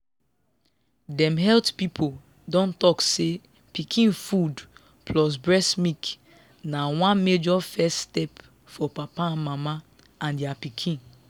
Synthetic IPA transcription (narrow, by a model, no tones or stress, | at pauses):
dɛ̃mɦɛltpipʰo | dɔ̃ntɔkse | pikʰĩnfud | plɔs̬bɹɛsmik | nawãnmed͡ʒɔfɛststɛp | fɔpapaãnmama | ãndɛapikʰĩn